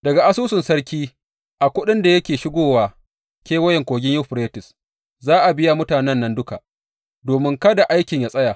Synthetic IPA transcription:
dɐ˨ɡa˨ʔa˦suː˦sʊ˨nsɐ˦ɾkʲiː˦ | ʔa˨kʷʊ˦ɗɪ˦nda˨jɐ˦kʲeː˨ʃɪ˦ɡʷoː˦waː˨ | kʲeː˦wɐ˦jɛ˨ŋkʷoː˨ɡʲɪ˦ɲjʊ˦ɸɾeː˦tɪ˨s | zaː˦ʔa˨bɪ˦ja˦mʊ˦taː˨nɛ˦nːɐ˦ndʊ˦ka˨ | doː˨mɪ˦ŋkɐ˦da˨ʔa˦jkʲɪ˨ɲjaː˦sʼɐ˦ja˨

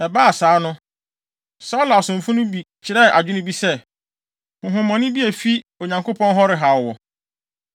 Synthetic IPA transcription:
ɛ˨baː˦a˨saː˨˦nʊ̃˦ | sa˦la˨sʊ̃˨m˨fʊ̃˦nʊ̃˦bi˨t͡ɕt͡ɕʰɪ˨ɾɛ˦˨ʔa˨d͡ʑᶣʊ˦nʊ̃˦bi˦sɛ˦ | hʊ̃˨ɦʊ̃˨mɔ̃˨nʊ̃˦bi˦æ˨fi˦o˨ɲã˨ŋko˦pʰɔ̃˦nɦɔ˦ɾɪ˨ɦa˨wɔ˨

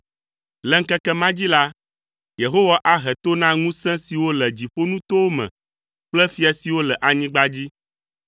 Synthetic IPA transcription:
lɛ˨ŋ̩˦kɛ˦kɛ˦mã˦d͡ʑi˦la˦ | je˨ɦo˦wa˨˦ʔa˦ɦɛ˨t̪o˦nã˦ŋũ˦sɛ̃˦si˨wo˦lɛ˨d͡ʑi˨ɸo˦nũ˦t̪o˦wo˦mɛ̰̃˨ | k͡plɛ˦fi˦a˨si˨wo˦lɛ˨ʔa˨ɲĩ˦ɡ͡ba˦d͡ʑi˦

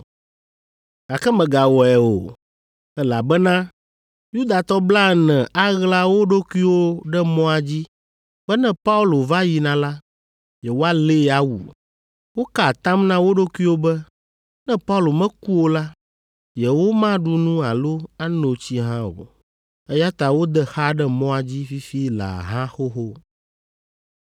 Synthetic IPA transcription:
a˨kɛ˦mɛ̃˨ɡa˨wɔ˨ɛ˨o̰˨ | ɛ˦la̰˨bɛ˦nã˦ | ju˦d̪a˨t̪ɔ˦bla˦˨nɛ̃˨ʔa˦ɣla˦wo˦ɖo˦ku˦i˦wo˦ɖɛ˦mɔ̃˦a˨d͡ʑi˦ | b̥ɛ˦nɛ̃˦pa˦u˦lo˨va˦ji˨nã˨la˦ | jɛ˨wo˦a˦le˦˨a˨wṵ˨ | wo˦ka˨t̪ã˦mnã˦wo˦ɖo˦ku˦i˦wo˦bɛ˦ | nɛ̃˦pa˦u˦lo˨mɛ̃˦ku˦wo˦la˦ | jɛ˨wo˦mã˦ɖu˦nũ˦a˨lo˦a˦no˨t͡ɕi˦ɦã˦wo̰˨ | ɛ˦ja˦t̪a˨wo˦d̪ɛ˦xa˦ɖɛ˦mɔ̃˦a˨d͡ʑi˦fi˦fi˦la̰˨ɦã˦xo˦xo˦

